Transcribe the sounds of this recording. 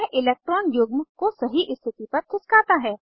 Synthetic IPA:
ʔɪleːk̚ʈɾɔːnjʊɡmkosɐɦiʔɪst̪ʰɪt̪ipɐɾt̪ʰɪskaːt̪aɦɛː

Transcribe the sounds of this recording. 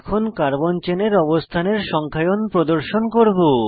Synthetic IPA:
kʰonkaɾbont͡ɕeneɾɔbost̪ʰaneɾʃɔŋkʰajonpɾod̪oɾʃonkoɾbo

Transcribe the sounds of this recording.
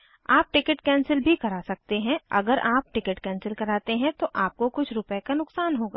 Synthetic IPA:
aːp̚ʈɪkəʈkɛ̃ːnsəlbʱikɐɾaːsɐk̚t̪eɦɛ̃ɐ̰ɡəɾʔaːp̚ʈɪkəʈkɛ̃ːnsəlkɐɾaːt̪eɦɛ̃t̪oʔaːp̚kokʊt͡ʃʰɾʊpekanʊksaːnɦoːɡa̰ː

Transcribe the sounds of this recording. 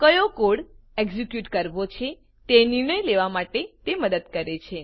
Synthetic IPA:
kəjokoɽeɡzikjuʈkəɾʋot͡ʃʰe | t̪eniɾɳəjleʋamaʈet̪eməd̪əd̪kəɾet͡ʃʰe

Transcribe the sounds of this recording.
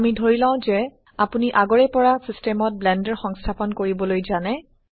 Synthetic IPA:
amidʱoɹilãʊ̃zɛ | apuniʔaɡɔɹɛpɔɹasistɛmɔt̚blɛndɛɹxɔŋstʰapɔnkoɹibɔlojzanɛ

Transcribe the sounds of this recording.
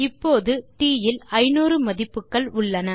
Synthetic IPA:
ɪpːoːðɯt̪iːjɪlɐɪnuːrɯmɐðɪpːɯkːɐɭʊɭːɐnɐ

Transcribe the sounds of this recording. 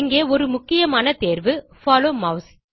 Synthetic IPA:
ɪŋɡeːɔɾɯmʊkːɪjɐmaːnɐt̪eːɾʋɯfaːloːmɐʊs

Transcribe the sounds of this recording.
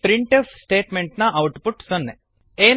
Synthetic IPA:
pɾiɳʈefsʈeːʈmeɳʈnaʔawʈpuʈsɔnːe | eː

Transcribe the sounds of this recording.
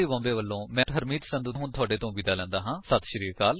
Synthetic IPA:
eːbɔ̃ːmbeːʋəlːõːmɛ̃ːɦəɾmiːt̪sə̃nd̪uːɦʊnt̪ʰʊaːɖeːt̪õːʋid̪aːlɛ̃ːnd̪aːɦãːsət̪ʰʃəɾiːɾkaːl

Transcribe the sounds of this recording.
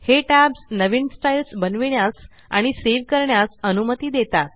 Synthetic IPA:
heʈæbsnəʋinsʈailsbənʋiɳjas | a̰ɽ̃iseʋkəɾɳjasənumət̪iːd̪et̪at̪

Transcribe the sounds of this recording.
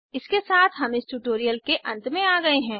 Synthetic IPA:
ɪskesaːt̪ʰɦɐmɪsʈuːʈoːɾijəlkeʔɐ̰̃nt̪mẽaːɡɐeɦɛ̃ː

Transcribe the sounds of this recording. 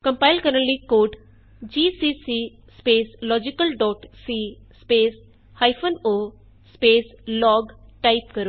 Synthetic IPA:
kɐ̃mpaɪlkɐɾənlikoːɖ | d͡ʒiːsisi | speːslɔːd͡ʒikəlɖɔːʈsi | speːs | hajfʰonoː | speːslɔːɡʈaipkɐɾo

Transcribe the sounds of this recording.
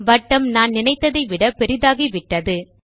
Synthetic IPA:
ʋɐʈːɐmnaːnnɪnɐɪt̪ːɐðɐɪʋɪɽɐpɛɾɪðaːɣiʋɪʈːɐðɯ

